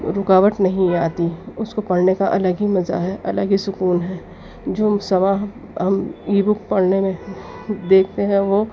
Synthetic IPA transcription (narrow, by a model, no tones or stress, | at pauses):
ɾʊkaːʋəʈ̪nɐɦĩaːt̪iʊskopɐɽnekaʔɐləɡɦimɐza̰ɦɛʔɐləɡɦisʊkuːnɦɛː | d͡ʒoːsɐmaːɦ | ɦɐmiːbʊkpɐɽnemẽ | d̪eːkʰt̪eɦɛ̃ʋoː